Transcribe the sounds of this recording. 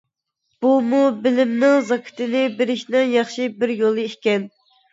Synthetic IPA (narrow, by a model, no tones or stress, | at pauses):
b̥umubɪlɪmnɪŋzɑkʲʰɪ̥t̪ʰɪnɪbeɾɪʃnɪŋjɑχʃibɪɾjolˠɨikʲɛn